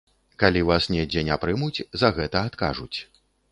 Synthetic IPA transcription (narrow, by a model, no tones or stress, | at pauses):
kalʲivasnʲɛd͡zʲɛnʲapɾɨmut͡sʲzɐɣɛt̪ɐːt̪ka̰ʐut͡sʲ